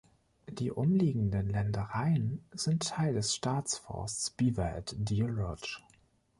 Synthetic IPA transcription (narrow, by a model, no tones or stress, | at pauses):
d̥iːʔʊmliːɡŋ̩dənlɛndəʁaɪənz̥ɪntʰːaɪldɛsʃtaːt͡sfɔ̰ɐst͡sb̥iːvɛɛ̰tdilɔt͡ʃ